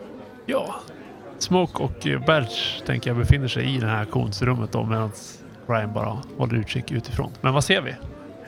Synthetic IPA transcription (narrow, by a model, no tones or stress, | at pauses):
jɑː | smɔːkɔkbælʂt̪ʰɛ̰ŋkəjabɛfɪn̪ːəʂɛ̰jʔɪd̪ɛnhæɾkʰṵːnsɾɵmːət̪̚d̪ɔ̰meːd̪ans | ɾajəmbɑ̰ːɾa̰hɔlːəɾʉ̟ːʂɪkːʉ̟ːt̪ɪfɾo̰ːnmɛnvaseːɾvɪ̰